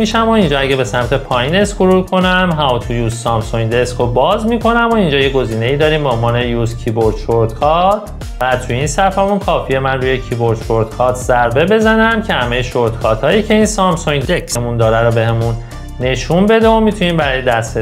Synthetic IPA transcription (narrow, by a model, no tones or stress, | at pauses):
iʃæmoind͡ʒɒːæɟebe̞sæmt̪ʰe̞pʰɒːjiːne̞skʰoɾukʰo̞næmɦæmot̪ʰujuːsːɒmsoŋd̪eskʰobɒːzmikʰo̞næmoind͡ʒɒːje̞ɡo̞ziːne̞iːd̪ɒːɾiːmbeonvɒːne̞juscʰiboɾd̪ʃoɾt̪kʰɒt̪ʰ | v̥æt̪ʰujinsæfæmunkʰɒːfije̞mænruːjecʰibo̞ɾd̪̥ʃoɾd̪kʰɒːɾt̪ʰzæɾbe̞be̞zænæmcʰe̞hæme̞jeʃoɾt̪kʰɒːɾt̪ʰhɒːjiːcʰe̞iːnsɒmsoŋdekʰsemund̪ɒːɾæɾobe̞ɦemunː | e̞ʃunbe̞d̪eomit̪ʰuniːmbæɾɒːjed̪æst̪e